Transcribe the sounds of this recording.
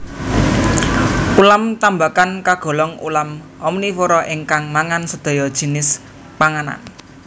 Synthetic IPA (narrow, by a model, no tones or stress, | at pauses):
ulamt̪ambakankaɡ̥ɔ̤lɔŋṵlam | ɔmnifoɾɔʔɪŋkaŋmaŋansəd̪̥ɔ̤jɔd̥ʒ̥i̤nɪs | paŋana̰n